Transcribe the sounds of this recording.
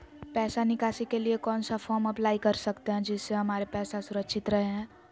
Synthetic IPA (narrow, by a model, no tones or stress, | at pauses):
pɛːsanɪkaːsikeliekɔːnsafʰɔːɾmɐplaːikɐɾsəkt̪eɦɛ̃d͡ʒɪsːeɦɐmaːɾepɛːsasʊɾəkʃɪt̪ɾɐɦeɦɛ̃ː